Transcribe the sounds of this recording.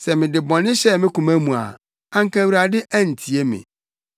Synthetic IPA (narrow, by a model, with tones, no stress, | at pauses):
sɛ˨mɪ̃˨dɪ˨bɔ̃˨nɪ̃˦ɕɛ˦mɪ̃˦kũ˨mæ˦mũ˨a̰˨ | ã˦ŋ˦kã˦wɾa˨dɪ˦ʔæ˦n̩˨tʰi˨e˦mɪ̰̃˨